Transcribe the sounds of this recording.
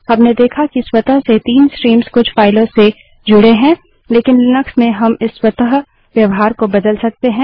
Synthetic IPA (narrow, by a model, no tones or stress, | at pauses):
ɦɐmned̪eːkʰakiswɐt̪əɦset̪iːnskɾiːmskʊt͡ʃʰfaːɪlõse | d͡ʒʊɽeɦɛ̃ː | leːkɪnlɪnəksmẽɦɐmɪsːwɐt̪əɦ | ʋjɐʋɦaːɾkobɐd̪əlsɐk̚t̪eɦɛ̃ː